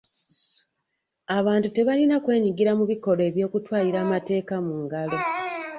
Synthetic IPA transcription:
aβaːntute̞βalinakwe̞ːɲiɡiɾamuβiko̞ɾe̞ːβjo̞ːkutwaːliɾaːmate̞ːkamuːŋɡalo̞

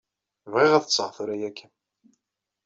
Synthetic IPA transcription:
vʁeʁæðət͡sːəʁθuɾæjækʰːən

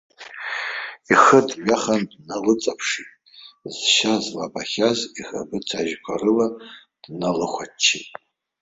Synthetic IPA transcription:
iχədʒᶣaχandnalɨt͡sʼapʰʂitʼ | zʃazlabaχʲaziχa̰bɨt͡sʰaʒkʷʰa̰rɨla | d̥nalɨχʷat͡ʃʰːitʼ

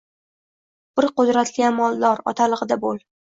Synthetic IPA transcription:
b̥ɪɾqʊd̪ɾat̪lʲɪamɒlˠːɒɾɒ̰t̪ʰalˠɨʁɨd̪abolˠ

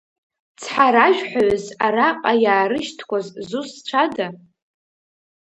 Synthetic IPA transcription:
t͡sʰħaɾaʒᶣħʷaɥzaɾaqʼajaːɾɨʃtʰkʷazzusʈ͡ʂʷʰada

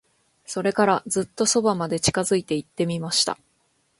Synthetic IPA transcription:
so̞ɾe̞kaɾad͡zɨt̪ːo̞so̞bamad̪e̞t͡ɕi̥kazɨit̪e̞it̪ːe̞mʲimaɕi̥t̪a̰

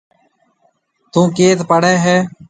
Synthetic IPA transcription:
t̪ũːkeːt̪pəɽɛːɦɛː

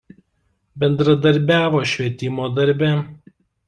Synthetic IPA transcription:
bʲɛnd̪ɾɐd̪ɐɾʲbʲæːʋoːʃʲʋʲiɛt̪ʲɪmoːd̪ɐɾʲˑbʲɛ

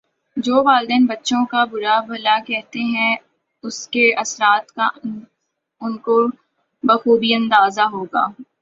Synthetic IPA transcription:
d͡ʒoːʋaːld̪ɛːnbɐtːʃõkabʊɾabɐlakɛɦt̪eɦɛ̃ | ʊskeɐsɾaːt̪ka | ʊnko | bɐxuːbiɐ̃nd̪aːzaɦoːɡa̰ː

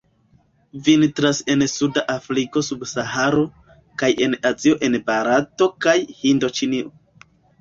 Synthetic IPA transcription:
vintɾase̞nsudaʔafɾiko̞subsahaɾo̞ | kajʔe̞nazio̞ʔe̞nbaɾato̞kajhindo̞t͡ʃinio

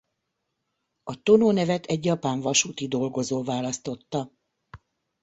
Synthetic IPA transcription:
ɒt̪o̞noːnɛvɛt̪ɛɟjɒpaːɱvɒʃuːt̪id̪o̞lɡo̞zoːvaːlɒst̪o̞t̪ːɒ

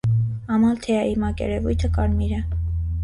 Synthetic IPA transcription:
ɑmɑlt̪ʰɛɑimɑkɛ̰ɾɛvujt̪ʰəkɑɾmiɾə

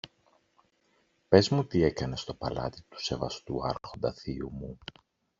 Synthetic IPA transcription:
pe̞zmut̪ie̞kɐne̞st̪o̞pɐ̰lɐ̰t̪i̥t̪u̥se̞vɐst̪uɐ̰ɾxo̞nd̪ɐθiumu

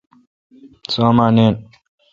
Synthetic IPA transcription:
somaːneːn

